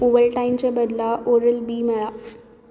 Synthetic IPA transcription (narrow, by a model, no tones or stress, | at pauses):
uʋəlʈaimt͡ɕabəd̪laʔoɾəlbiːməɭa